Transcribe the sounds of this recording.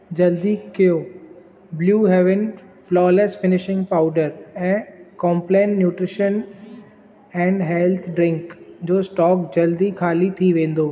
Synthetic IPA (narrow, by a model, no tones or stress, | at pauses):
d͡ʑɐld̪ikɪjoː | bljuːɦɛːʋɪnflɔːlesfɪnɪʃɪ̃ŋɡpaʊɖəɾɛ̃ːkɔ̃ːmplẽːnʈːjuːʈɾɪʃən | ɛ̃ːɳɖɦɛlt̪ʰɖɾɪ̃ŋkd͡ʑoːsʈɔːkd͡ʑɐld̪ikʰaːlit̪ʰiʋẽːn̆d̪oː